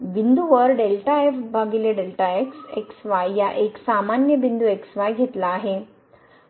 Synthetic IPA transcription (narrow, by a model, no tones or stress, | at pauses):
ʋind̪uʋəɾɖelʈaefbʱaɡileɖelʈaekseksʋajːaʔeksamanjəbind̪ueksʋajɡʱet̪laːɦe